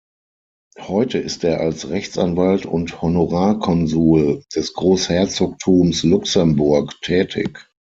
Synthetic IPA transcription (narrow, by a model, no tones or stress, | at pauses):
hɔʏtəɪsteːɐʔalsʁɛçt͡sanvaltʰʊ̰nthonoʁaːɐkʰɔnzuːld̥ɛsɡ̥ʁoːshɛɐt͡soːk̚tʰuːmslʊksɛmbʊɐktʰɛːtʰɪ̰k